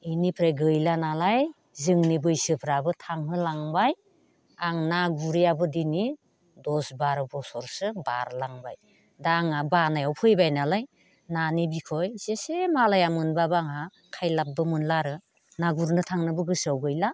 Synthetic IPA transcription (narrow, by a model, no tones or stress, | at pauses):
inipʰɾejɡɯjlanalaj | zɯŋnibɯjsɯpʰɾabɯtʰaŋɦɯlaŋbaj | aŋnaɡuɾijabɯdini | dɔsbaɾbɔsɔɾsɯba̰ɾlaŋba̰j | daŋabanajawpʰɯjbajnalaj | nanibikʰɔjz̥esemalajamɯnbabaŋa | kʰajlap̚bɯmɯnlaɾɯ | naɡuɾnɯtʰaŋnɯbɯɡɯsawɡɯjla